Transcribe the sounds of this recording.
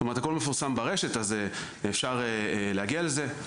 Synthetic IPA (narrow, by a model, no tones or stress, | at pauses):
toeʁt̪hakolmefusambaʁeʃe̞t̪aze | efʃaʁeleaɡialeze